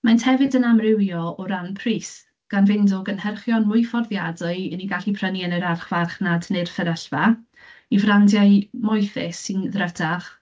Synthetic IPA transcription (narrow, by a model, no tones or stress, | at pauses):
manthɛvɨdənamrɪwjɔɔɾanpʰriːs | ɡ̥anvɪndʊɡənhɛrχjɔnmʊɨfɔrðjadʊɨəniɡaɬipʰrənjənəɾarχv̥arχnadnɨr̥fəɾəɬva | ivrandjaɨmɔjθɪ̰sːɨnðrədʰaχ